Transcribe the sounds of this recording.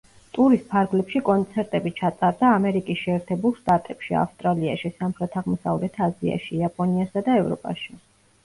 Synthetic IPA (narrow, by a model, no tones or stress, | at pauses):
t̪ʼuɾispʰaɾɡlɛpʃikʼɔnt̪sʰɛɾt̪ʼɛbit͡ʃʰat̪sʼaɾd̪aːmɛɾikʼisʃɛːɾt̪ʰɛbulˠʃt̪ʼat̪ʼɛpʃia̰fst̪ʼɾalia̰ʃisamχɾɛt̪ʰaʁmɔsa̰vlɛt̪ʰazia̰ʃiapʼɔniasad̪aɛvɾɔ̰pʼa̰ʃi